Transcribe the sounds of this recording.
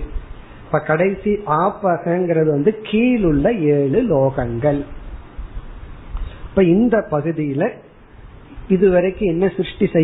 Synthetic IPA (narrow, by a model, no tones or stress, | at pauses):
ɪpːɐkɐɽɐɪsiʔaːpːaːɣɐɛŋɡɪɾɐðɯʋɐnd̪ɯkʰiːlʊɭːɐeːɭɯloːɣɐŋɡɐɭ | pːɐɪnd̪ɐpɐɣɯðɪjɪlɐ | ɪðɯʋɐɾɐɪkːɯ̃ɛnːɐsɾɯʂʈisɛ